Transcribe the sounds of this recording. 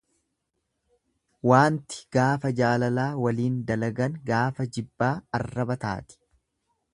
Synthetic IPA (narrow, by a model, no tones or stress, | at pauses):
waːnt̪ɪ̥ɡ̥aːfɐd͡ʒaːlɐlaːwɐliːnd̪ɐlɐɡɐnɡaːfɐd͡ʒɪbːaːɐrːɐbɐt̪a̰ːt̪ɪ̥